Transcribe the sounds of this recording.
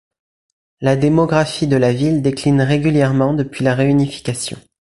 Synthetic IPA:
lad̪emɔɡʁafid̪əlavild̪eklinʁeɡʲyljɛʁmɑ̃d̪əpɥilaʁeynifi̥kasjɔ̰̃

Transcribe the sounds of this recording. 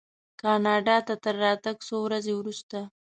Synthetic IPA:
kɑnɑɖɑt̪at̪əɾːɑt̪aɡsowɾazewɾust̪a

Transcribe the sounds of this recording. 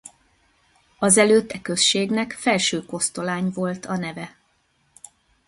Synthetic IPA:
ɒzɛløːt̪ːɛkø̞sʃeːɡnɛkfɛlʃøːko̞st̪o̞laːɲvo̞lt̪ʰɒnɛvɛ

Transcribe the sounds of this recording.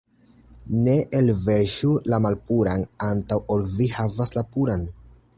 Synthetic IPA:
ne̞ʔelve̞ɾʃulamalpuɾanantawolvihavaslapuɾan

